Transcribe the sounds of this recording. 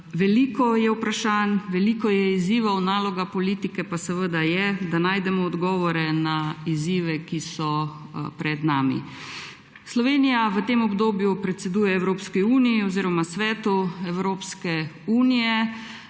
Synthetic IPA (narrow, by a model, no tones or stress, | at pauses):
ʋɛliːkɔjɛwpɾaʃaːnʋɛliːkɔjɛiziːʋawnaːlɔɡapɔliːt̪ikɛpasɛʋəd̪ajɛd̪anaːjd̪ɛmɔːd̪ɡɔːʋɔɾɛnaiziːʋɛkisɔ | pɾɛd̪naːmḭ | slɔʋeːnijaʋət̪eːmɔbd̪oːbjupɾɛt̪sɛd̪uːjɛɛwɾoːpskiuːnijiɔziːɾɔmasʋɛːt̪uɛwɾoːpskɛ | uːnijɛ